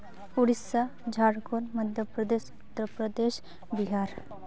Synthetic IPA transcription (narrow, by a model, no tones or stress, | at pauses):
uɽisːa | d͡ʒʱaːɽkoɾməd̪ʱjəpɾəd̪eːʃʊt̪ːəɾpɾəd̪eːʃ | biɦaːɾ